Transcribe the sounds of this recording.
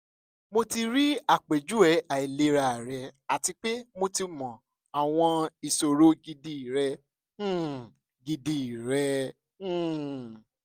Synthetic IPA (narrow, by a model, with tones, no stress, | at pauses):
mo˧ti˧ɾi˦a˦˨k͡pe˨d͡ʒu˦ɛ˨˦a˨i˨le˧ɾa˧˨ɾɛ˨˧a˨ti˧k͡pe˦mo˧ti˧mɔ̃˨ | a˨w̃ɔ̃˧i˨so˨ɾo˦ɡi˧di˧˨ɾɛ̃˧˦˨ | ɡi˧di˧˨ɾɛ̃˧˦˨